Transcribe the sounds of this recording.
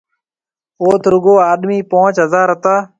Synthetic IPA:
oːt̪ʰɾʊɡoːaːɗmiːpõːt͡ʃɦəzaːɾət̪aː

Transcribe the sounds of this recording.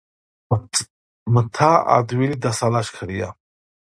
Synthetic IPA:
mət̪ʰaa̰d̪wilid̪asalaʃkʰəɽija̰

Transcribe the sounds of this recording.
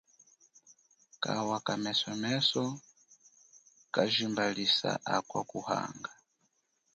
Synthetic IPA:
kawakamɛsɔmɛsɔ | kaʒimbalisa̰ʔakwakuha̰ŋɡa

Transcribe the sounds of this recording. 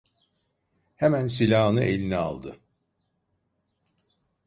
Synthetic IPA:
hemæns̬ilʲaːɯnɯʔelʲinɛa̰lˠd̪ɯ

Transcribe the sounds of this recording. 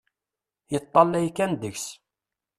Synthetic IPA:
jət̪ˤːɑlːæjkːænd̪əçs

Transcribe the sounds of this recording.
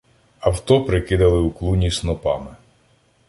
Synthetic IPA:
ɐwt̪ɔpɾɪkɪd̪ɐlˠɪuklˠunʲisnɔpɑ̰mɪ

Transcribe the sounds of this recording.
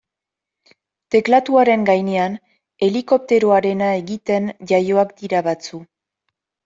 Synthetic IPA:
t̪e̞klat̪uaɾe̞ŋɡajne̞an | e̞liko̞p̚t̪e̞ɾo̞aɾe̞nae̞ɣit̪e̞nd͡ʒajo̞akd̪iɾaβat͡su

